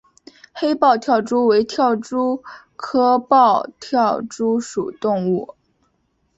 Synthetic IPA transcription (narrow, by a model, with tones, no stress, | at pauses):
xe˥ɪpɑ˥˧ʊt̪ʰjɑ˥˩ʊʈ͡ʂu˥we˧˥ɪt̪ʰjɑ˥˩ʊʈ͡ʂu˥ | kʰɤ˥pɑ˥˧ʊt̪ʰjɑ˥˩ʊʈ͡ʂu˥ʂṵ˨˩t̪ʊ˥˧ŋu˥˩